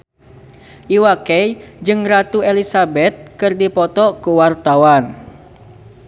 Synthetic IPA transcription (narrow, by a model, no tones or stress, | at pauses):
ʔiwakɛjd͡ʒɨŋrat̪uelisabɛt̪̚kɨrdipɔt̪ɔkuwart̪awan